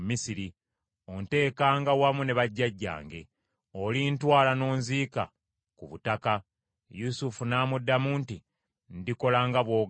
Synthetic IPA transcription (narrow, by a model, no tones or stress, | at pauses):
misiɾi | o̞nte̞ːkaːŋɡawamune̞βaɟːaɟːa̰ːŋɡe̞̰ | olintwaːlano̞ːnziːka̰ | kuβutaka | jusufunaːmudːamuːnti | ndiko̞laːŋɡaβwo̞ːɡ